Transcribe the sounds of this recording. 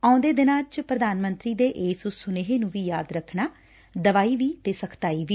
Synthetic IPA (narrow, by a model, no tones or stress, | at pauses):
aːʊ̃nd̪eːd̪ɪnãːt͡ʃpɾəd̪aːnmə̃nt̪ɾiːd̪eːʔeːsʊsʊneːɦeːnũːʋiːjaːd̪ɾəkʰnaː | d̪əʋaːiːʋiːt̪eːsəkʰt̪aːiːʋiː